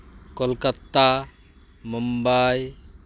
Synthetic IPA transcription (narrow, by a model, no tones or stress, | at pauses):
kɔlkat̪a | mumbaj